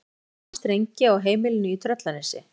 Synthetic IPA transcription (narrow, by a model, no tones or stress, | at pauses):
st̪ɾejɲcɪɔɣɦeːjmɪlɪnʏit̪ʰɾœt̪lanɪsɪ̰